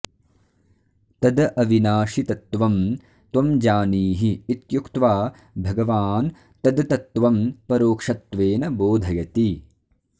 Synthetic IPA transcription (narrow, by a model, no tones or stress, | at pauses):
t̪ɐd̪ɐʔɐʋinaːʂit̪ɐt̪ʋɐm | t̪wɐmd͡ʒaːniːɦiːt̪jukt̪ʋaː | bʱɐɡɐʋaːn | t̪ɐd̪ɐt̪ɐt̪ːʋɐmpɐɾoːkʂɐt̪ʋeːnɐboːd̪ʱɐjɐt̪i